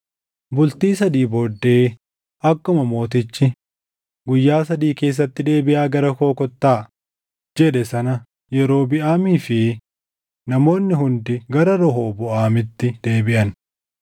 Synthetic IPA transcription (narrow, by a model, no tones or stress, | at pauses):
bʊlt̪iːsɐd̪iːbɔɾd̪ːe̞ː | ʔɐkːʊmɐmo̞ːt̪ɪt͡ʃːɪ | ɡʊjːaːsɐd̪iːke̞ːs̬ːɐt̪ːɪd̪e̞ːbɪʔaːɡɐɾɐko̞ːkɔt̪ːaː | d͡ʒɛᶑɛsɐnɐ | jɛɾo̞ːbɪʔaːmiːfɪ | nɐmo̞ːnːɪɦʊnd̪ɪɡɐɾɐɾɔɦo̞ːbʊʔaːmɪt̪ːɪd̪e̞ːbɪʔɐn